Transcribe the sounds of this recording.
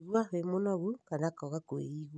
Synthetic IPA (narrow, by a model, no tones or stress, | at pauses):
ɣwaβemonɔɣukanakɔɣakwḛiɣw